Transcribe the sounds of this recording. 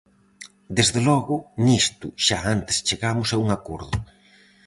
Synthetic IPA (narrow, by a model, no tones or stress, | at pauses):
d̪ezðelɔɣʊnist̪ʊ̰ʃaant̪e̥st͡ʃeɣamʊsauŋakoɾðʊ̰